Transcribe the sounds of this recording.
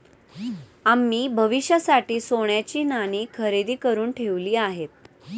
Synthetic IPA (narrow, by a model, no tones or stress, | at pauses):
amːiːbʱəʋiɕjəsaʈiːsoɳjat͡ɕiːnañiːkʰəɾed̪iːkəɾuːnʈʰeʋliːaɦet̪̚